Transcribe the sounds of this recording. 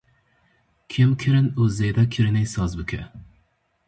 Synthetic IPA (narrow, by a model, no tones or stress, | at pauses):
kʲʰɪmkʲʰɪɾɪnɵzejd̪akʲʰɪɾɪnɪjsɒzbɪkʲʰɪ